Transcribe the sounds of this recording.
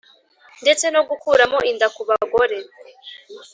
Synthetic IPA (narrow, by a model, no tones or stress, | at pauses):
nde̞t͡se̞no̞ɡukuːɾamo̞ʔindakuβaɡoɾe